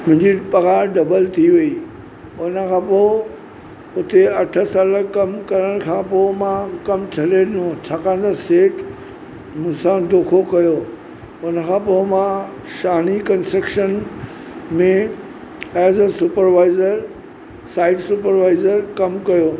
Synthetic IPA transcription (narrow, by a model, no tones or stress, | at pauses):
mʊ̃ɦɪ̃ɲd͡ʑipɐɣaːɖɐbəlt̪ʰiʋɐi | ʊnə̆kʰãːpoɪ | ʊt̪eɐʈʰə̆saːləkɐmkɐɾəɽ̃kʰãːpoɪmãkɐmt͡ɕʰɐlenõt͡ɕʰaːkãːd̪aseːʈ | mʊ̃ɦɪ̃sãd̪oːkʰokɐjo | ʊnəkʰãːpoɪmã | ʃaːnikɐ̃nstʈɾəkʃən | mẽ | ɛːzəsʊpəɾʋaːɪzəɾ | saːɪɖsupəɾʋaːɪzəɾkɐmkɐjoː